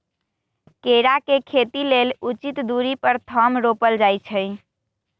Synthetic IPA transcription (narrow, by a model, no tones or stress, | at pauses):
keɾakekʰet̪ilelut͡ʃit̪d̪uɾipəɾt̪ʰəmɾopəld͡ʒajt͡ʃʰəj